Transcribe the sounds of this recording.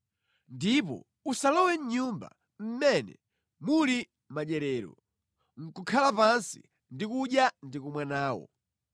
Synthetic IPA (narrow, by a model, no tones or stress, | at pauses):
ndipɔ̰ | usalɔwɛɲɲumba̰ | m̩mɛnɛ̰ | muli | maɗɛɾɛːɾɔ̰ | ŋ̩kukʰalapansḭ | ndikuɗjandikumwanaːwɔ̰